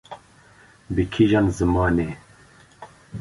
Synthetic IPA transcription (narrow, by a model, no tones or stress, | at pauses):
bikʰiʒanzɨmɑːne